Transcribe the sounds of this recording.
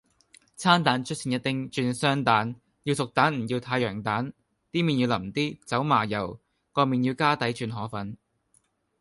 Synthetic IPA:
t͡sʰaː˥nt̪aː˨˥nt͡ʃʰɵ˥t̚sʰiː˨˩njɐ˥t̪ɪ˥ŋt͡ʃyː˧nsœː˥ŋt̪aː˨˥n | jiː˧wsʊ˨k̚t̪aː˨˥nm̩˨˩jiː˧wt̪ʰaː˧jœː˨˩ŋt̪aː˨˥n | t̪iː˥miː˨njiː˧wlɐ˨˩m̩˨˩t̪iː˥t͡sɐ˨˥wmaː˨˩jɐ˨˩w | kɔː˧miː˨˩nji˧wkaː˥t̪ɐ˨˥jt͡ʃyː˧nɦɔː˨˥fɐ˨˥n

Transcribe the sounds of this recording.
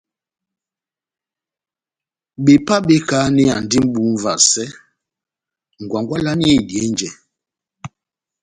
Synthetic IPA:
ɓe˨pa˦ɓe˦ka˨˦nɛ˦a˨n̩˨di˦m̩˦ɓu˨˦ɱ˦va˨ssɛ˦ | ŋ̩˨ɡwa˨ŋɡwa˦la˦ni˦e˦˨djɛ˨˦nd͡ʒɛ˨

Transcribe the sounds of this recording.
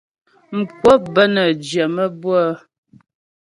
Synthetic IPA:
m̩˨kwɔ˦bə˦nə˨d͡ʒjə˨mə˦bwə˦

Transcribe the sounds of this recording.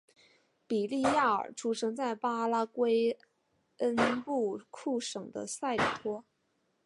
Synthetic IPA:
pi˨˩li˥˧ja˥˩ə̰˞˨˩ʈ͡ʂʰu˧˥ʂʰɤ˥ŋt͡sa˥˩ɪpa˥la˥kwe˥ɪ | ə˥npu˥˩kʰu˥˩ʂɤ˨˩ŋd̪ə̰˦sa˥˩ɪlḭ˨˩t̪ʰwɔ˥

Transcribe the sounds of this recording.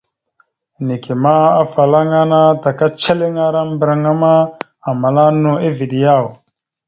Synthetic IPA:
ni˨ki˨ma˦a˦fa˨la˦ŋa˦na˦ta˨ka˦t͡ʃe˦le˦ŋa˦ɾa˦m˦bɾa˨ŋa˦ma˦ | a˨ma˨la˦nu˦e˦vi˨ɗi˨ja˦˨w

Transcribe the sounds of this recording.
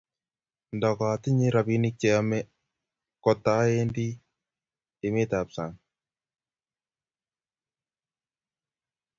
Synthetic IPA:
ndɔ˨ka˨t̪ɪ˦ɲi˦ɾa˨bi˦ni˦k̚t͡ʃɛ˨a˦mɛ˦ | kɔ˨t̪a˨˦e˦ndi˦ | e˨me˦t̪a˨psa˨ŋ

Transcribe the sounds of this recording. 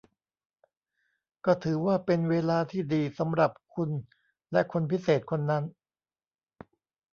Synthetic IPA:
kɔː˥˩t̪ʰɯː˩˦waː˥˩pe˧nweː˧laː˧t̪ʰiː˥˩diː˧sa˩˦mɾa˨˩p̚kʰu˧n | lɛ˦˥kʰo˧npʰi˦˥seː˨˩t̪̚kʰo˧nːa˦˥n

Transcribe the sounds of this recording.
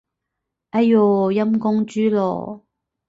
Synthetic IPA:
ɐ˦˥joː˨jɐ˥mkʊ˥ŋt͡ʃyː˥lɔ̰ː˨˩

